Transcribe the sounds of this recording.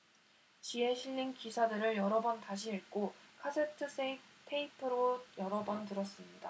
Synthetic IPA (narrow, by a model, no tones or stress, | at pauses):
t͡ɕie̞ɕʰiʎːinkisʰadɯɾɯɭjʌɾʌbʌntaɕʰiiɭk͈okʰasʰe̞tʰɯsʰeitʰeipʰɯɾojʌɾʌbʌntɯɾʌs͈ɯmɲida